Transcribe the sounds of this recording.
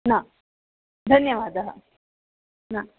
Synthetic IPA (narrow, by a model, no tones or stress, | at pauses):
na | d̪ʱɐnjɐʋaːd̪ɐɦə̰ | naː